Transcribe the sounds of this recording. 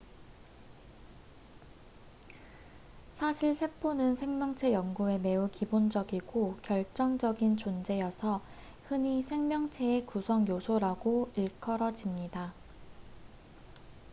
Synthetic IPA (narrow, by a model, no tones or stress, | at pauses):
sʰaɕʰiɭsʰe̞p͈ʰonɯnsʰe̞ŋmjʌŋt͡ɕʰe̞jʌŋɡue̞me̞ukibond͡ʑʌɡiɡokjʌɭt͡ɕ͈ʌŋd͡ʑʌɡint͡ɕond͡ʑe̞jʌsʰʌ | hɯɲisʰe̞ŋmjʌŋt͡ɕʰe̞ekusʰʌŋjosʰoɾaɡoiɭkʰʌɾʌd͡ʑimɲida